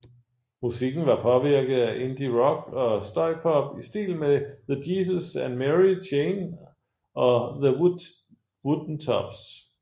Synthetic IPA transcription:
musiɡ̥n̩ʋɑ̈pʰɒ̽ʋiɐɡ̥ð̩ˠæʔe̝nd̥iʁɒ̽ɡ̥ɒ̽sd̥ɑɪpʰɒb̥isd̥ḭːlmeðədiːs̬əsænmeʁit͡ɕʰeːn | ɒ̽ðə | wud̥n̩t͡sʰɒ̰b̥s

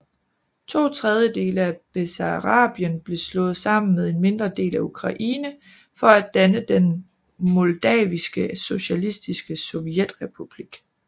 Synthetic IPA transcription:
t͡sʰo̝̰ːt͡sʰʁɛð̞ˠjəd̥e̝̰ːləæb̥esɑʁɑ̰̈ːb̥jənb̥le̝slɔ̽ːð̩ˠsɑ̈m̰n̩með̞ˠe̝nme̝nd̥ʁɐd̥e̝̰ːlæukʰʁɑ̈ʔḭːnə | fɒ̽æd̥ænəd̥en | mɔld̥ɛ̰ːʋisɡ̥əso̝ɕælisd̥isɡ̥əsɔʋijed̥ʁɛpʰub̥liɡ̥

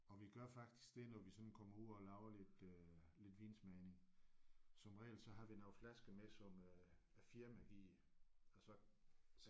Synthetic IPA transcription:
ɒ̽ʋiɡ̥ɶɐfɑ̈ɡ̥̚d̥i̥sɡ̥d̥e̝nɒʋisɒ̽n̥n̩kʰɒ̽mɐuð̰ˠɒlɑ̈ʊɐle̝d̥ø | le̝d̥ʋiːnsmɛɪne̝ŋ | sɒ̽mʁɛ̰ːld̥sɒ̽ɦɑ̈ʋinɑ̈ʊflæsɡ̥əmesɒ̽møæfiɐmæʋi | ɒ̽sɒ̽

